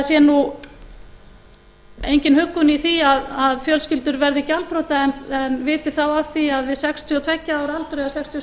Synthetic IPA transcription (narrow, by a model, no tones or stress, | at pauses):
sjɛnu | ejɲcɪnhʏkːʏniθiaðaðfjœlscɪlt̪ʏɾvɛɾðɪcalt̪ɾowt̪aɛnɛnvɪːt̪ɪ̥θawav̥θiaðvɪðsɛkst̪ʰjiɔt̪ʰv̥ɛcːaaːwɾalt̪ɾeðasɛkst̪ʰiɔ